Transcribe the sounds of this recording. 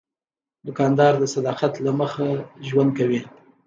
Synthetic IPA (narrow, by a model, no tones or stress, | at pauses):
d̪ʊkɑnd̪ɑɾd̪əsad̪ɑqat̪laməxaʒwand̪̚kawi